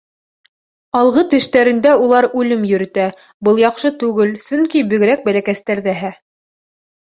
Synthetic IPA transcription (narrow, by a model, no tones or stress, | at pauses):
ɑlˠʁɤt̪ɘ̆ʃt̪æɾɘ̆nd̪æulˠɑɾʉlɘmjɵ̆ɾɘ̆t̪æ | bɤlˠjɑqʃɤt̪ʉɡɘlsɵŋkibɵ̆ɡɘ̆ɾæk̚bælækæst̪æɾðæɦæ